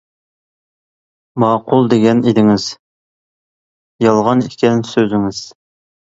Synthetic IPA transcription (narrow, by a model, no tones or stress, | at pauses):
mɑːqʊlˠd̪eɡʲɛned̪ɪŋɪz̥ | jɑlˠʁɑnikʲʰɛnsøzɪŋɪz̥